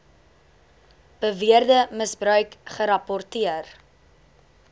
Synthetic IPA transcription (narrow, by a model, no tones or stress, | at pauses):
b̥əviərdəməsbɾœɥkχəɾɐpɔrtiər